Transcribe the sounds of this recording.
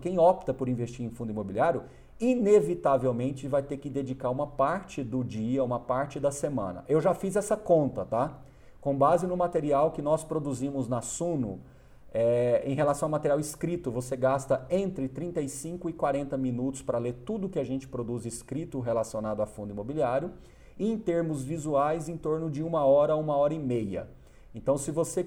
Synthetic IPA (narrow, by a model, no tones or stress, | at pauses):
kẽj̃ɔpt̪ɐpʊɾĩvest͡ʃiɾẽfũnd̪imobiliaɾjʊ | inevit̪avewmẽnt͡ʃɪvajt̪ekɪd̪ed͡ʒikaɾũmɐpaɾt͡ʃɪd̪ʊd͡ʒiɐũmɐpaɾt͡ʃɪd̪ɐsemɐ̰̃nɐ̰ʔewʒafizɛsɐkõnt̪ɐt̪a | kõbazɪnʊmat̪eɾiawkɪnɔspɾod̪uzĩmʊznasũnʊ | ɛẽj̃ɦelasɐ̃w̃awmat̪eɾiawɪskɾit̪ʊvoseɡast̪ɐẽnt̪ɾɪt̪ɾĩt̪ɐjsĩŋkʊɪkwaɾẽnt̪ɐmĩnut̪ʊ̥spɾɐleɾt̪ud̪ʊkɪaʒẽnt͡ʃɪ̥pɾod̪uziskɾit̪ʊɦelasionad̪ʊafũd̪ʊimobiliaɾjʊ | ɪẽj̃t̪eɾmʊzvizuajzẽj̃t̪oɾnʊd͡ʒɪũmɐɔɾɐaũmɐɔɾɐɪmejɐ̰ | ẽnt̪ɐ̃w̃sɪvose